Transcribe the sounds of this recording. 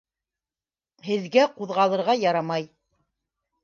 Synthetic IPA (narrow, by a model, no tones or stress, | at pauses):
hɘ̆ðɡæquðʁɑlˠɤ̆ɾʁɑjɑɾɑmɑj